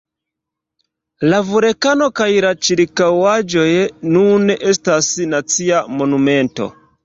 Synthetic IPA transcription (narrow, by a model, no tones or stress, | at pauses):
lavuɾekano̞kajlat͡ʃiɾkawad͡ʒo̞jnune̞stasnat͡siamo̞nume̞nto̞̰